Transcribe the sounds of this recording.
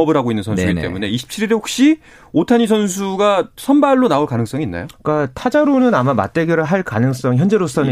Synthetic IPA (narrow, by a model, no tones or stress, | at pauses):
ʌbɯɾɦaɡoinːɯnsʰʌnsuɡit͈e̞̰mune̞iɕʰi̥p̚t͡ɕʰiɾiɾeɸok̚ɕ͈i | otʰaɲisʰʌns̬ʰuɡasʰʌnbaɭːonaoɭkanɯŋs͈ʌŋinːa̰jok͈atʰad͡ʑaɾonɯnamama̰t̚t͈e̞ɡjʌɾɯɭɦaɭkanɯŋs͈ʌŋiçjʌnd͡ʑe̞ɾos͈ʌnɯ